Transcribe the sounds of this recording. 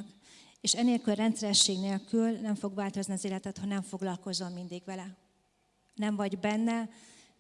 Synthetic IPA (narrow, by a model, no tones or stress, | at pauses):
k | eːʃɛneːlkylrɛnt̪sɛɾɛʃːeːɡneːlkylnɛɱfo̞ɡʋaːlt̪o̞zniɒzeːlɛt̪ɛt̪ho̞ɟnɛɱfo̞ɡlɒlko̞zːo̞mmind̪iɡʋɛlɛ | nɛɱvɒɟbɛnːɛ